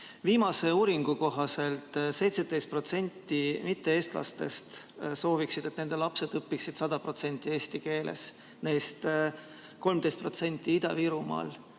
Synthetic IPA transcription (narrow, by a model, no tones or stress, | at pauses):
viːmɑse̞uːɾiŋɡ̥uko̞ɦɑse̞lt̪ˑse̞jt̪sed̪e̞jst̪̚pro̞t̪se̞nʲt̪ːimit̪ːe̞e̞ːst̪lɑ̰st̪e̞̰st̪so̞ːviksid̪̥e̞t̪ne̞nd̪e̞lɑpse̞d̪ɤpːiksid̪̥sɑd̪̥ɑpro̞t̪se̞nʲt̪ːˑie̞ːst̪ike̞ːlʔḛs | ne̞ːst̪ | ko̞lmd̪e̞st̪̚pro̞t̪se̞nʲt̪ːˑiid̪̥ɑ̰viɾumɑ̰ːl